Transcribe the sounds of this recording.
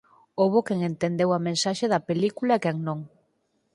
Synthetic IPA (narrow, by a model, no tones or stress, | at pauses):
oβokɛŋent̪end̪ewɐmẽnsaʃeðɐpelikulaekɛŋnõŋ